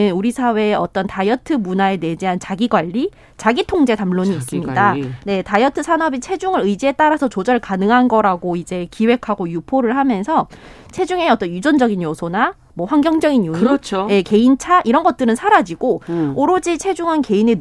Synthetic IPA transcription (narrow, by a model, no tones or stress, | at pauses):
ɯnuɾisʰawe̞ʌ̰t͈ʌntajʌtʰɯmunae̞ne̞d͡ʑiɦant͡ɕaɡiɡwaʎːi | t͡ɕaɡitʰoŋd͡ʑe̞tamɭoɲiːs͈ɯmmɲidane̞tajʌtʰɯsʰanʌbit͡ɕʰe̞d͡ʑuŋɯɾɯid͡ʑiet͈aɾasʰʌt͡ɕod͡ʑʌɭkanɯŋɦanɡʌɾaɡoid͡ʑe̞kiwe̞kʰaɡojupʰoɾɯɭhamjʌnsʰʌ | t͡ɕʰe̞d͡ʑuŋe̞ʌt͈ʌnud͡ʑʌnd͡ʑʌɡinjosʰona | mwʌɸwaŋɡjʌŋd͡ʑʌɡinjut͡ɕʰjeke̞int͡ɕʰaʔiɾʌnɡʌt̚t͈ɯɾɯnsʰaɾad͡ʑiɡooɾod͡ʑit͡ɕʰe̞d͡ʑuŋɦanke̞ine